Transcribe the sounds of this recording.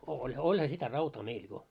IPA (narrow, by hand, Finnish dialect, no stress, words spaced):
olʲ olʲhɑ sitæ rɑutɑː meil jo